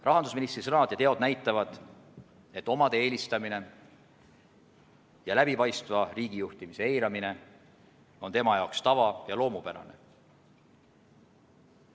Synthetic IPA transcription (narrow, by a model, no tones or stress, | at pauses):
rɑɦɑnd̪usminist̪risɤnɑd̪̥jɑt̪e̞od̪̥næjt̪ːˑɑvɑd̪̥ | e̞t̪ːo̞mɑd̪̥ee̞ːlʲist̪ɑmine̞ | jɑlæb̥ipɑjst̪vɑriːɡ̥ijuht̪imise̞e̞jɾɑmine̞ | o̞nt̪e̞mɑjɑokst̪ɑvɑjɑlo̞ːmupæɾɑ̰nḛ